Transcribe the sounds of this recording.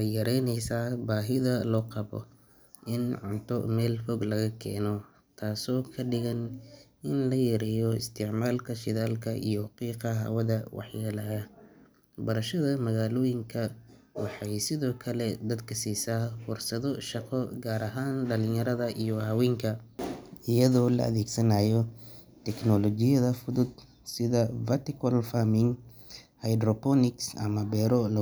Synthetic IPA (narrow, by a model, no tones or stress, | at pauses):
jjɐɾɛjnɛjsaːbaːɦɪðɐlɔːqɑbɔ̰ | ʔɪnʕʊnt̪ʰɔ̰mɛːlfɔɡlɐɣɐkʰɛːnɔ | t̪ʰaːsɔːkʰɐɖɪɣɐn | ɪnlɐjɛɾɛjɔɪst̪ʰɪʕmaːlkʰɐʃɪðaːlkʰɐʔḭjɔqiːqɐɦa̰ːwɐðɐwɑ̰ħjaːlaːɐ | bɐɾɐʃɐðɐmɐɣaːlɔːjɪŋkʰɐ | wɑħɑjsɪðɔːkʰɐlɛd̪ɐd̪kʰɐsiːsaːfʊrsɐðɔʃɑqɔɡaːɾʔɐɦaːnɖɐlɪ̃ŋjɐɾɐðɐʔijɔawɛːŋkʰɐ | ɪjɐðɔːlɐ̰ʔɐ̰ðɛːɡsɐnaːjɔ | t̪ʰɛknɔlɔt͡ʃɪjɐðɐfʊðʊd̪ | sɪðɐfɐt̪ɪkʰɔlfamɪŋ | hɐjd̪ɾɔpɔnɪksɐ̰mɐbɛːɾɔlɐ